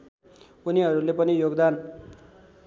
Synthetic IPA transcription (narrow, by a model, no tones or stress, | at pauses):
uniɦʌɾulepʌnijoɡd̪an